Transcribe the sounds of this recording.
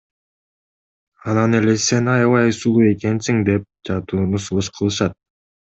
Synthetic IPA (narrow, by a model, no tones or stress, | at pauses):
ɑnɑne̞le̞se̞nɑjɑβɑjsulˠue̞ke̞nsiŋd̪e̞p̚d͡ʒɑt̪uːnusulˠɯʃqʰɯlˠɯʃɑt̪̚